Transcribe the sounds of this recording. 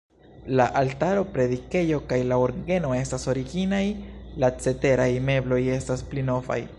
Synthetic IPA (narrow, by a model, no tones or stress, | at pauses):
laʔaltaɾo̞pɾe̞dike̞jo̞kajlaoɾɡe̞no̞e̞staso̞ɾiɡinajlat͡se̞te̞ɾajme̞blo̞je̞stasplino̞fa̰j